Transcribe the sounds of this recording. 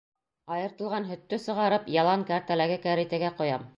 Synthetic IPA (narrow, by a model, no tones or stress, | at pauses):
ɑjɤ̆ɾt̪ɤ̆lˠʁɑnɦɵ̆t̪ːɵsɤ̆ʁɑɾɤpjɑlˠɑŋkæɾt̪ælæɡɘkæɾit̪æɡæqŏjɑm